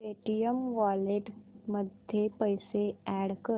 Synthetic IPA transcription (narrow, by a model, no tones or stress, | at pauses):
eːʈijəmʋaːleʈməd̪ʱjepəɪseɛːɽkə